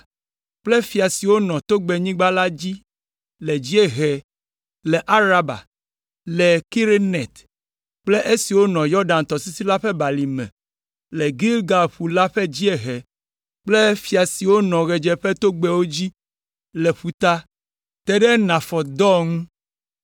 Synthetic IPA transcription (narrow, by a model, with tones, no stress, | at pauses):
k͡ple˦fi˨a˨si˨wo˦nɔ̃˨t̪o˦ɡ͡be˨ɲĩ˦ɡ͡ba˦la˦d͡ʑi˦ | lɛ˨d͡ʑi˦e˦ɦɛ˨ | lɛ˨ʔa˦ɾa˦ba̰˨ | lɛ˨ki˦ɾe˦nɛ˨t̪ | k͡ple˦ʔe˦si˨wo˦nɔ̃˨jɔ˦ɖa˨nt̪ɔ˨si˦si˦la˦ɸɛ˦ba˨li˨mɛ̰̃˨ | lɛ˨ɡi˦lɡa˨lɸu˨la˦ɸɛ˦d͡ʑi˦e˨ɦɛ˨ | k͡ple˦fi˨a˨si˨wo˦nɔ̃˨ɣɛ˨d͡ʒɛ˦ɸe˦t̪o˦ɡ͡bɛ˦wo˦d͡ʑi˦ | lɛ˨ɸu˨t̪a˦ | t̪ɛ˦ɖɛ˦nã˨fɔ˨d̪ɔ˦ŋũ˦